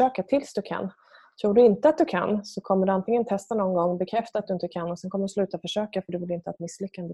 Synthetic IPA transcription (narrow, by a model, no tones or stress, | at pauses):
øːkat̪ʰɪlsd̪ɵkʰa̰nː | t̪ʰɾuːɖɵɪnt̪əat̪̚d̪ɵkʰa̰nːsɔkʰɔmːəɖɵant̪ɪŋənt̪ʰɛst̪anɔnɡɔŋːɔbɛkʰɾɛft̪at̪d̪ɵɪnt̪əkʰanːɔsɛnkʰɔmːəɖɵslʉ̟ːt̪afœʂøːkafœɖɵvɪlɪnt̪əat̪mɪsːlʏkːand̪ə